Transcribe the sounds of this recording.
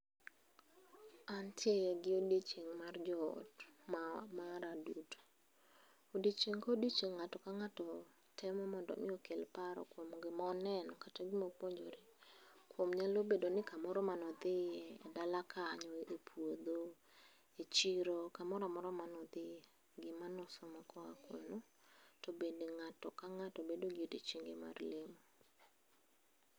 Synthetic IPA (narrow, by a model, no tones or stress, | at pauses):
antjeɡɪodit͡ʃeŋmard͡ʒɔ̰tmamaɾaduto̥ | odit͡ʃeŋkaodit͡ʃeŋːatɔkaŋatɔ | tɛmɔmɔndɔ̰mɪokelpaɾɔ̰kwomɡɪmɔɔnɛnɔkataɡɪmopwoɲd͡ʒoɾekwomɲalobedonɪkamɔɾɔmanɔd̪ɪjɛːdalakʰaɲɔepʰwod̪o | et͡ʃiɾokamɔɾamɔɾɔmanɔd̪ɪ | ɡɪmanʊsɔmakʰɔa̰kwo̰no | tobendeŋatɔkaŋatɔbedoɡɪdit͡ʃeŋɡɪma̰rlemo